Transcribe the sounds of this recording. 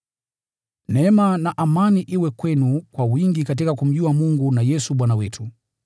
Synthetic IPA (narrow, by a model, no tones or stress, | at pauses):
nɛmanaʔamaniʔiwɛkwɛnukwawiŋɡikat̬ikakum̩ʄuamuŋɡunajɛsuɓwanawɛtʰu